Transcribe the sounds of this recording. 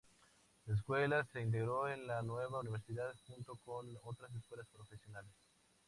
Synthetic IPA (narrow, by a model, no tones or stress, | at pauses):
laes̬kwe̞lase̞int̪̬e̞ɣɾoenlanwe̞βauniβ̞eɾsiðaðxunt̪o̞konot̪ɾas̬eskwe̞laspɾo̞fesjonales